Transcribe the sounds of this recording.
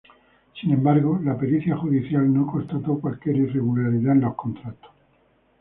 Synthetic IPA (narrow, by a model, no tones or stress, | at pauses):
sinẽ̞mbaɾɣo̞lape̞ɾiθjaxuðiθjalnoko̞nst̪at̪o̞kwalkje̞ɾire̞ɣulaɾiðaenlo̞sko̞nt̪ɾat̪o̥